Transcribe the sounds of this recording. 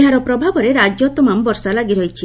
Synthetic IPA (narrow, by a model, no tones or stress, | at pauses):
ɦaɾɔpɾɔbʱabɔɾeɾad͡ʒɔt̪ɔmambɔɾsalaɡiɾɔjt͡ʃʰi